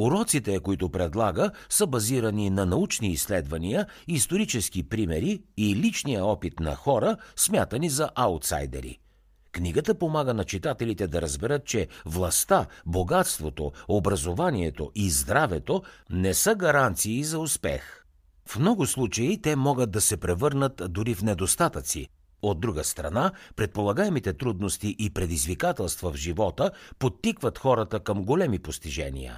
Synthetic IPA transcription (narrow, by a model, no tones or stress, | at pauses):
uɾɔt̪sit̪ɛkoit̪ʊpɾɛd̪lˠaɡə | səbɐziɾəninɐnɐut͡ʃniːsːlɛd̪vɐnijə | ist̪oɾit͡ʃɛsk̟ipɾimɛɾiilit͡ʃnijəɔpit̪nɐ̰xɔɾəsmʲjat̪ənizɐʔalˠt̪sa̰jd̪ɛ̰ɾḭ | kniɡət̪əpomaɡənɐt͡ʃit̪at̪ɛlit̪ɛd̪ɐɾəzbɛɾət̪̚t͡ʃɛvlˠɐst̪aboɡat̪st̪vot̪oobɾɐzovaniɛt̪oʔizd̪ɾavɛt̪onɛsɤɡɐɾant̪siːzɐʊspɛ̰x | fmnɔɡʊslˠut͡ʃəit̪ɛmɔɡəd̪̚d̪ɐsɛpɾɛvɤɾnət̪d̪ʊɾifnɛd̪ost̪at̪ət̪sḭ | od̪ːɾuɡəst̪ɾɐ̰napɾɛt̪̚polˠɐɡaɛmit̪ɛt̪ɾud̪nost̪iʔipɾɛd̪izvikat̪ɛlˠst̪vɐvʒivɔt̪əpot̪ːikvət̪xɔɾət̪əkɐmɡolɛmipost̪iʒɛ̰nḭə̰